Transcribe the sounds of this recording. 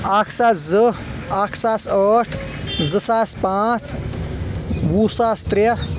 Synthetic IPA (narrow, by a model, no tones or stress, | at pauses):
akʰsaːszə | akʰsaːsəʈʰ | zəsaspat͡s | busaːst̪ɾjɐ